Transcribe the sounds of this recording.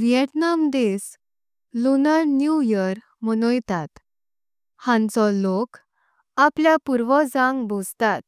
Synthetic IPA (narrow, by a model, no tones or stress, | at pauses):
ɾijəʈnamd̪es | lunənjujəɾ | mənojt̪at̪ | hãnt͡sɔlok | apljapuɾʋɔd͡zãŋɡbʱod͡zt̪at̪̚